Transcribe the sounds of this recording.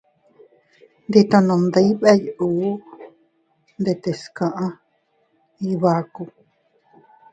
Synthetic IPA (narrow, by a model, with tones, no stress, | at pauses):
nd̪i˧t̪a˧nõ˧nd̪ə˧i˦βe˦ju˨˦ | nd̪e˧˨t̪e˨skã˧ʔã˦ | i˧βa˧ku˧